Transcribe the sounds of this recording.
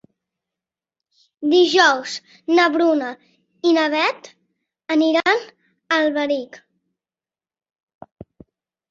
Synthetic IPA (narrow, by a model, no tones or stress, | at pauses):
d̪iʒɔwz | nəβɾunə | inəβɛt̪ | əniɾan | əlˠβəɾik